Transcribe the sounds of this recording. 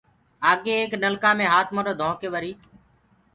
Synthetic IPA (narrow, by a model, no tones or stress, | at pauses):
aːɠeːeːknəlkãːmẽːɦaːt̪ʰmoɾoːd̪ʱõːkeːʋəɾiː